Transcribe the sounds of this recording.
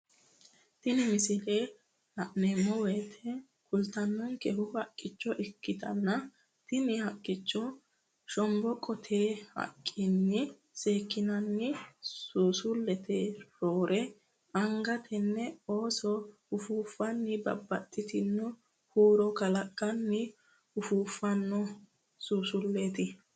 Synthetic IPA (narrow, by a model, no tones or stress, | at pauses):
t̪ɪnɪmɪsɪleː | ɐʔnɛmɔweːt̪ʰɛ | kʊlt̪ɐnːɔŋkɛhʊhɐkʼːɪt͡ʃːɔʔɛkːɪt̪ɐ̰nːɐ | t̪ɪnɪhɐkʼːɪt͡ʃːɔ | ʃɔmbɔkʼɔt̪ʰeːhɐ̰kʼːɪnːɪ | seːkːɪnɐnːɪsuːsʊlːɛt̪ʰeːɾo̞ːɾʔɛ | ʔɐŋɡɐt̪ʰɛnːɛo̞ːsɔ | ʊfuːfːɐnːɪbɐ̰bːɐt̪ʼːɪt̪ɪnːɔ | huːɾɔkɐlɐkʼːɐnːɪ | ʊfuːfːɐnːɔ | suːsʊlːeːt̪ɪ